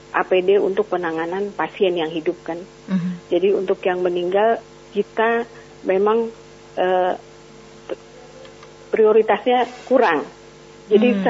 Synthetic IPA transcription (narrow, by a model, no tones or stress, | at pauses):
ʔa̰pedeṵnt̪ʊk̚pənaŋananpasiɛnjaŋɦidʊp̚kan | d͡ʒadiunt̪ʊkjaŋməniŋɡal | kit̪a | memaŋ | ʔə | pɾioɾit̪asɲakuɾaŋ | d͡ʒadis